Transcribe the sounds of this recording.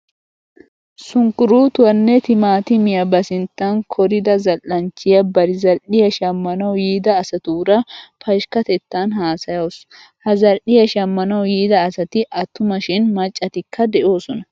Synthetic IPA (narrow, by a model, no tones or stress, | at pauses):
sʊŋkːʊɾuːt̪ʊwɐnːɛt̪ɪmaːt̪ɪmɪjɐbɐsɪnt̪ːɐŋkʰɔɾɪd̪ɐzɐlʔːɐnt͡ʃːɪjɐbɐɾɪzɐlʔɪjɐʃɐmːɐnɐwjiːd̪ɐːsɐt̪uːɾɐpɐʃkɐt̪ɛt̪ːaːnhaːsɐjoːs | hɐzɐlʔɪjɐʃɐmːɐnɐwjiːd̪ɐːsɐt̪ɪʔɐt̪ːʊmɐʃɪnmɐt͡ʃʼːɐt̪ɪkʰːɐd̪ɛʔo̞ːsɔnɐ